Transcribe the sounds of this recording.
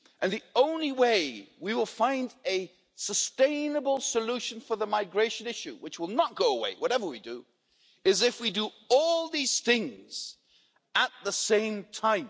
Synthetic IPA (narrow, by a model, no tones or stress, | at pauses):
ʔɨ̃nðiõʊ̃nliweɪwiwəlˠfãɪ̃ndɨ | səstẽɪ̃nəbəl̩ˠsəluʃɨ̃n̩fə˞ðəmaɪɡɹeɪʃɨ̃nɪʃʉ̰wɨt͡ʃwəlˠnət̚ɡ̥oʊəwḛɪwʌɾɛvə˞widɨ̰ | ɪzɨfwidə | ɔlˠðiz̥θɪ̃ŋz̥ | ət̪̚ðəsẽɪ̃mtʰãɪ̃m